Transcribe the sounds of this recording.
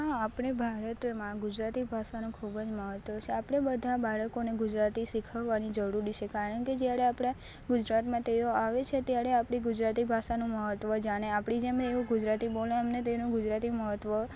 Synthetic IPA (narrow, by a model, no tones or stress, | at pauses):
ɦaːpɳ̃ebʱaɾət̪mãɡʊd͡ʒɾat̪ibʱasanũkʰubəd͡ʒməɦət̪ʋət͡ʃʰeapɽ̃ebəd̪ʱabaɭəkoneɡʊd͡ʒɾat̪isikʰəʋːanid͡ʒəɾuɾit͡ʃʰekaɾəɳked͡ʒjaɾeapɽ̃e | ɡʊd͡ʒɾat̪mãt̪eoaʋet͡ʃʰet̪jaɾeapɽ̃iɡʊd͡ʒɾat̪ibʱaʃanũməɦət̪ʋəd͡ʒaɽ̃eapɽid͡ʒemeeũɡʊd͡ʒɾat̪ibolẽamnet̪enũɡʊd͡ʒɾat̪iməɦət̪ʋə